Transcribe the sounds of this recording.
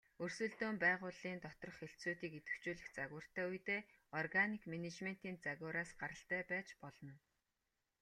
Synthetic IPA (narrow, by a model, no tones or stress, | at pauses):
ɵrsɵ̆ɮt̪oːmpæːʁʊːɮiːnt̪ɔt̪ɞ̆rɞ̆χxeɬt͡suːt̪iːket̪ɘ̆kt͡ɕuːɮɘ̆xt͡saɣʊːr̥t̪ʰæːujt̪eːɔrɣanikmenet͡ɕmen̥t̪iːnt͡saɣʊːɾaːsɢaɾə̆ɬt̪æːpæːt͡ɕpɔɮɞ̆n